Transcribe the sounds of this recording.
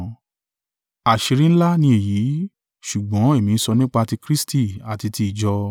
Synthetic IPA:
a˨ʃi˧ɾĩ˦ñ̩˦la˦nĩ˧e˨ji˨˦ | ʃu˨ɡ͡bɔ̃˨˦e˦˨mĩ˨˧n̩˦sɔ˧nĩ˦k͡pa˧ti˧kɾi˦sti˦˨a˨ti˧ti˧i˨d͡ʒɔ˧

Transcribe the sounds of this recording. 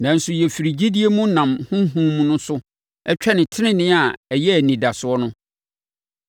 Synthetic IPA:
nã˨n̩˦sʊ˨jɛ˨fi˨ɾi˨d͡ʑi˦di˦e˦mũ˦nã˨mhʊ̃˦ɦũ˦mũ˦nʊ̃˦sʊ˦ | ɛ˦t͡ɕᶣʰɛ˦nɪ̃˨tʰɪ˦nɪ̃˦nɪ̃˦a˨ɛ˨jɛ˦æ˨nĩ˨da˨sʊ˨ɔ˦nʊ̃˦

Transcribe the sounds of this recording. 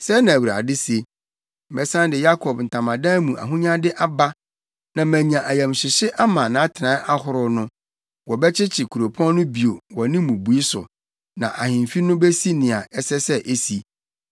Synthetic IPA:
sɛ˦nã˨wu˨ɾa̰˨dɪ˦se˦ | m̩˨bɛ˨sã˦n˦dɪ˨ja˦kʰɔ˨bn̩˨tʰã˨mã˨dã˦mũ˨ʔa̰˨ɦũ˦ɲã˦dɪ˦ʔa˦ba˦ | nã˨mæ̃˨ɲã˨ʔa˨jɛ̃˨mɕɪ˨ɕɪ˦ʔa˦mã˨nã˨˦tʰɪ˨nã˨˦ʔa˦hʊ˨ɾʊ˦nʊ̃˦ | wɔ˨bɛ˦t͡ɕʰɪ˦t͡ɕʰɪ˨kʰu˨ɾo˨pʰɔ̃˦n˦nʊ̃˦bi˨o˨wɔ˨nɪ̃˦mũ˨bu˨i˦sʊ̰˨ | nã̰˨ʔa˨hɪ̃˨m˨fi˦nʊ̃˦bɛ˦si˦nɪ̃˨a˨ɛ˦sɛ˦sɛ˦ʔe˦si˨

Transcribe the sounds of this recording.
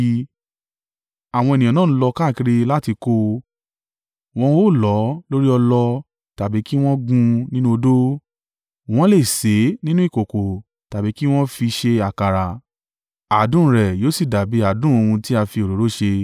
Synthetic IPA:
a˨w̃ɔ̃˧e˨nĩ˨ɔ̃˨nã˦˨ñ̩˦lɔ˧ka˦˨ki˧ɾi˧la˦ti˧ko˧ | w̃ɔ̃˦o˦˨lɔ˨˦lo˦ɾi˦ɔ˧lɔ˧ | ta˨bi˨˦ki˦w̃ɔ̃˦ɡũ˧nĩ˦nũ˦o˧do˦ | w̃ɔ̃˦le˦˨se˨˦nĩ˦nũ˦i˦˨ko˨ko˨ | ta˨bi˨˦ki˦w̃ɔ̃˦fi˧ʃe˧a˨ka˨ɾa˨ | a˨dũ˦ɾɛ˨joː˨˦si˦˨da˨bi˨˦a˨dũ˦o˧hũ˧ti˦a˧fi˧o˨ɾo˨ɾo˨˦ʃe˧

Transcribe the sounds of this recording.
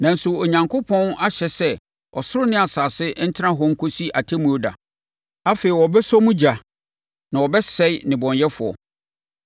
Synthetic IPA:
nã˨n̩˨˦sʊ˨o˨ɲã˨ŋkʰo˦pʰɔ̃˦na˦ɕɛ˨sɛ˦ | ɔ̰˨sʊ˦ɾʊ˦nɪ̃˦a˨saː˨sɪ˦n̩˦tʰɪ˦ã˦ɦɔ˦ŋ̩˦kʰo˦si˦ʔa˨tʰe˦mũ˨˦o˦da̰˨ | a˦feː˨i˨wɔ˨bɛ˦sɔ˦mũ˦d͡ʑa˨ | nã˨ɔ˨bɛ˦sɛ˦ɪ˦nɪ̃˨bɔ̃˨njɛ˦fʊ˨ɔ̰˨

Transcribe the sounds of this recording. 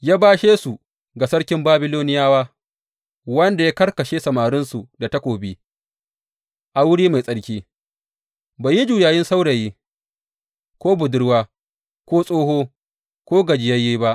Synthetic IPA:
jaː˦baː˦ʃeː˦su˨ | ɡa˨sɐ˦ɽkʲɪ˦mbaː˦bɪ˦loː˦nɪ˦jaː˦waː˦ | wɐ˦nda˨ja˦kɐ˦ɽkɐ˨ʃeː˦sɐ˨maː˨ɾɪ˦nsu˨da˨ta˦kʷoː˨biː˦ | ʔa˨wʊ˦ɽiː˦ma˨jsʼɐ˦ɽkʲiː˦ | baː˨ji˦d͡ʒuː˨jaː˨jɪ˦nsa˦wɽa˨jiː˦ | kʷoː˦bʊ˨dʊ˦ɽwaː˦ | kʷoː˦sʼoː˦ɦoː˦ | kʷoː˦ɡɐ˨d͡ʒɪ˨jɐ˦jːiː˦ba˦ʔ

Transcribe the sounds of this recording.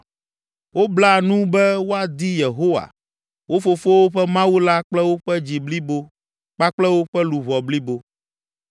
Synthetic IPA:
wo˦bla˦nũ˦bɛ˦wo˦a˨d̪i˦je˨ɦo˦wa̰˨ | wo˦fo˨fo˦wo˦ɸɛ˦mã˦wu˦la˦k͡plɛ˦wo˦ɸɛ˦d͡ʑi˨bli˦bo˦ | k͡pa˦k͡plɛ˦wo˦ɸɛ˦lu˨βɔ˨bli˦bo˦

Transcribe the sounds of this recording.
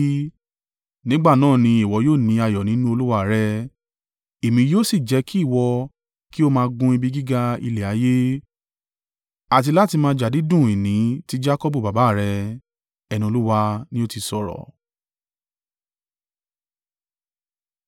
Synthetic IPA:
nĩ˦ɡ͡ba˦˨nãː˦˨nĩ˧i˨wɔ˨˧˦joː˦˨nĩ˨˧a˧jɔ˨nĩ˨˦nũ˦o˧lu˦wa˧˨ɾɛ˧ | e˨mĩ˧˦joː˦si˦˨d͡ʒɛ˨˧˦ki˦i˦˨wɔ˧ | ki˦o˦mãː˧ɡũ˧˦i˧bi˧˦ɡi˦ɡa˧ḭ˧lɛ˨a˨˦je˦ | a˨t̬i˧la˦ti˧mãː˧˦d͡ʒa˨di˨˦dũ˦˨i˨nĩ˨˦ti˦d͡ʒa˦kɔ˦bu˦˨ba˨ba˨˦˨ɾɛ˧ | ɛ˧nĩ˧o˧lu˦wa˧nĩ˦o˦ti˧sɔ˨ɾɔ̰˨

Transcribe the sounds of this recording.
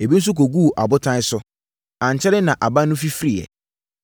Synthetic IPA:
e˨bi˦n̩˦s̬u˦k̬o˨ɡu˦˨ʔa̰˨bʊ˦tʰã˦ɪ˦sʊ˦ | ã˨ɲ˨t͡ɕʰɛ˦ɾɪ˦nã˨ʔa˨ba˦nːʊ̃˦fi˦fɾi˦ɛ̰˨

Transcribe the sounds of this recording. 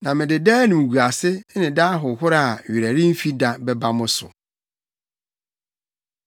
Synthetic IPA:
nã˨mɪ̃˨dɪ˨dɛː˦nʊ̃˨m˨ɡu˨a˨sɪ˦nɪ̃˨daː˦ɦʊ˨ɦʊ˦ɾa˦a˨ɥi˨ɾæ˨ɾĩ˦m̩˦fi˦da˨bɛ˦ba˦mʊ̃˦sʊ̰˨

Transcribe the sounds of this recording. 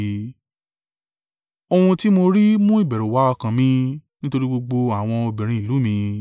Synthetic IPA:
o˧hũ˧ti˦mo˧ɾi˦mũ˦i˦˨bɛ˨ɾu˨wa˨˦ɔ˧kã˧mĩ˧˦nĩ˦to˧ɾi˦ɡ͡bo˧ɡ͡bo˧a˨w̃ɔ̃˧o˧bĩ˨ɾ̃ĩ˨˧i˨lu˨˦mĩ˧

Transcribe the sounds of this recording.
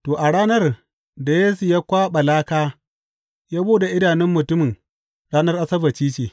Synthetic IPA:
toː˨ʔa˨ɽaː˦nɐ˦r | da˨jeː˦su˨jaː˦kʷaː˦ɓɐ˨laː˦kaː˦ | jaː˦boː˦ɗa˨ʔɪ˦daː˨nɪ˦mːʊ˨tʊ˦mɪ˨ŋ | ɽaː˦nɐ˦rʔa˦sɐ˦bɐ˨t͡ʃiː˦t͡ʃeː˨

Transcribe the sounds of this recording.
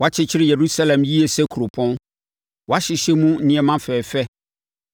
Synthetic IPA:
wɔ˨a˦t͡ɕʰɪ˦t͡ɕʰɪ˦ɾɪ˦je˨ɾu˦sa˦lɛ̃˨mji˦e˨sɛ˦kʰu˨ɾo˨pʰɔ̃˦n | wa˦ɕɪ˨ɕɛ˦mũ˦n̩˦nĩ˦ɛ˦mã˦fɛː˨fɛ˦

